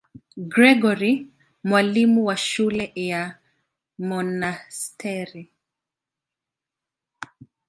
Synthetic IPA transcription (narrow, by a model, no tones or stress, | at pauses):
ɡɾɛɡɔɾi | mwalimuwaʃulɛja | mɔnastʰɛɾi